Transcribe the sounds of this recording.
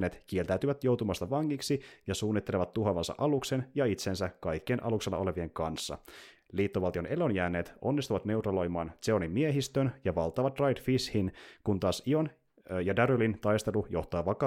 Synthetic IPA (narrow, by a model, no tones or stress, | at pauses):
nːet̪k̟ielt̪æyt̪yʋæt̪jo̞wt̪umɑst̪ɑʋɑŋːiksijɑsuːnːit̪ːe̞leʋɑt̪ːuɦɑʋɑnsɑ̰ʔɑlukse̞njɑit̪sensækɑjkːienʔɑ̰lukselːɑ̰o̞le̞ʋie̞ŋkɑnsːɑ̰liːt̪ːo̞ʋɑlt̪ione̞lo̞njæːnːe̞ːt̪o̞nːist̪uʋɑt̪ne̞wt̪rɑlo̞jmɑːnt̪seo̞nimːie̞ɦist̪ønjɑʋɑlt̪ːˑɑːʋɑt̪rɑjdfishinkunt̪ɑːsion | jɑdæɾølint̪ɑjst̪e̞lujo̞̰ht̪ɑːʋɑkɑ